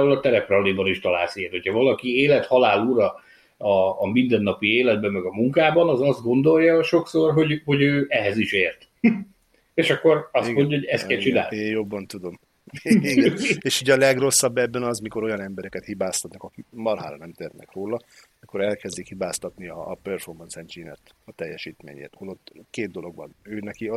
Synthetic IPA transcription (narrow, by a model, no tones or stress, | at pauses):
ulɒt̪ɛɾɛprɒlibɒniʃt̪ɒlaːlsiet̪ho̞c̪ʰhɒvɒlɒkieːlɛt̪hɒlaːluɾɒ | ɒːmind̪ɛnːɒpieːlɛd̪̚bɛmːɛɡɒmuŋkaːbɒnɒzɒzd̪̚ɡo̞nd̪o̞ljɒʃo̞kso̞rɦo̞ɟho̞ɟøːʔɛɦɛziʃeːrt̪ | eːʃɒkːo̞rɒstmo̞ɲɟɔoɟɛsɛt͡ʃina̰ːleːnjobːɒnt̪ud̪o̞m | iɡɛeːʃhoɟɒlɛɡro̞sːɒbːɛbːɛnɒzmiko̞ɾo̞jɒnɛmbɛɾɛkɛt̪hibaːst̪ɒt̪nɒkɒkikmɒrɦa̰ːɾɒnɛmt̪eːrnɛ̰kroːlɒ | miko̞ɾɛlkɛzd̪ikhibaːst̪ɒt̪niɒpørfobɒnsɛnt͡ʃiːnɛ̰rt̪ɒt̪ɛjːɛʃiːt̪mḛːɲḛːt̪holo̞t̪ːkeːd̪̚d̪o̞lo̞ɡbɒ̰nøːnɛkiɒ